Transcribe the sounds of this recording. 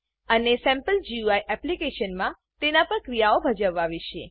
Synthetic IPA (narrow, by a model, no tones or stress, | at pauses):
ənesɛ̃mpəld͡ʒiuajʔɛplikeʃənmã | t̪enapɾəəkɾijaobʱəd͡ʒəʋːaʋiʃe